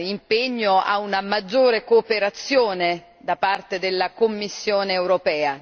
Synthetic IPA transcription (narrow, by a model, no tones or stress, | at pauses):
impeɲːoa̰unamad͡ʒːoːɾekoːpeɾat̪sːjoːne | d̪apart̪ed̪elːakomːisːjoːneːwɾopɛːa